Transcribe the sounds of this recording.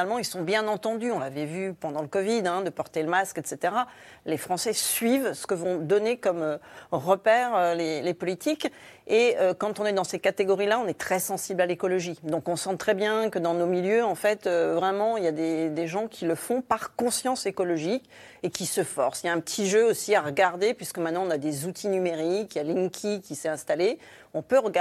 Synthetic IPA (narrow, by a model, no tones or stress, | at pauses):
fnalmɑ̃ilsɔ̃bjɛ̃nɑ̃t̪ɑ̃d̪yɔ̃lavɛvypɑ̃d̪ɑ̃ləkɔvid̪ɛ̃d̪əpɔʁt̪eləmaskɛt̪set̪eʁa | lefχɑ̃sɛsɥivsə̥kəvɔ̃d̪ɔnekɔmøʁəpɛʁølelepɔlit̪ikeøkɑ̃t̪ɔ̃nɛd̪ɑ̃sekat̪eɡɔʁilaɔ̃nɛt̪χɛsɑ̃siblalekɔlɔʒid̪ɔ̃kɔ̃sɑ̃t̪χɛbjɛ̃kəd̪ɑ̃nomiljøɑ̃fɛt̪øvʁɛmɑ̃iljad̪ed̪eʒɑ̃kʲʰiləfɔ̃paʁkɔ̃sjɑ̃sekɔlɔʒik | ekʲisəfɔʁsjaɛ̃pət̪ʰiʒøosiaʁəɡaʁd̪epɥiskəmɛ̃t̪nɑ̃ɔ̃nad̪ezut̪ʰinymeʁikjaliŋkʲʰikʲːisɛɛ̃st̪ale | ɔ̃pøʁəɡ